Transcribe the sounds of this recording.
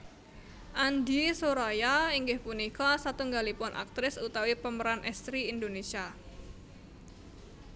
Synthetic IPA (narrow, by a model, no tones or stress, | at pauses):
ʔandisoɾajaiŋɡɪhpunikasat̪uŋɡalipʊnʔa̰k̚t̪ɾɪsut̪awipəməɾanʔɛ̰st̪ɾiːndonesia